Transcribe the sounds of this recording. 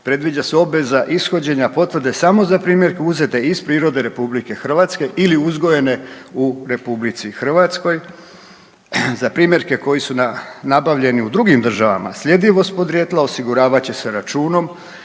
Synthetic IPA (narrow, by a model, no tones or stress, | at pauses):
pɾe̞d̪ʋid͡ʑaseo̞bʋe̞zaʔisxo̞d͡ʑe̞ɲapo̞t̪ʋrd̪e̞samo̞zapɾiːmje̞ɾkeuze̞t̪e̞ispɾiːɾo̞d̪e̞ɾe̞publike̞xr̩ʋat̪ske̞ʔiliuzɡo̞je̞ne̞ | uɾe̞publit̪sixr̩ʋat̪sko̞j | zapɾiːmʲje̞ɾke̞ko̞jisunanabaʋʎe̞niud̪ɾuɡimd̪r̩ʒaʋa̰ma̰sʎʲe̞d̪iʋo̞st̪̚po̞d̪ɾjet̪lao̞siɡuɾaːʋat͡ɕe̞seɾat͡ʃuːno̞m